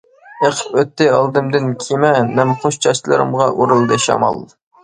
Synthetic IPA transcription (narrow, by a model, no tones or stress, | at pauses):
eqʰə̥pøt̪ːɪɑlˠd̪ɨmd̪ɨnkʲʰimɛmɛmχoʃt͡ʃʰɑʃlˠɨ̰ɾɨ̰mʁɑʔuɾɨlˠd̪ɨʃɑ̰mɑ̰lˠ